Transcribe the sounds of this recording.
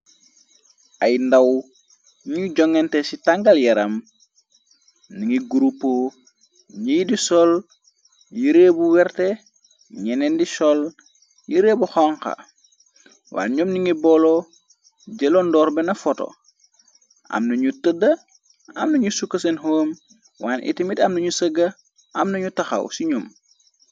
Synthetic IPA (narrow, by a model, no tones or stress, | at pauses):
ʔɐjndaw | ɲuɟɔŋɛntesitaŋɡɐljɛɾɐm | niŋiɡuɾupːo | ɲijdisɔl | jiɾeːbuwɛrte | ɲɛnɛndisɔl | jiɾeːbuxɔŋkɐ̰ | wa̰ːɲɔmniŋibɔlɔ | ɟɛlondɔːɾbɛnɐfɔto̰ | ɐ̰mnɐɲutədɐ | ɐ̰mnɐɲusukːɐsenɦoːm | waːnʔḭtimitɐmnɐɲusəɡɐ | ɐmnɐɲutɐxɐ̰wsiɲɔm